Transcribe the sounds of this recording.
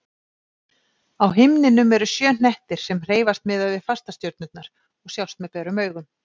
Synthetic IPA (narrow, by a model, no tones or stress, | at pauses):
awɦɪmnɪnʏmɛɾʏsjœːn̥ɛht̪ɪɾ̥sɛmr̥eːjvast̪mɪðaðvɪðfast̪ast̪jœwɾt̪nʏt̪naɾ̥ | ɔɣsjawst̪mɛðpɛːɾʏmœːɥɣʏm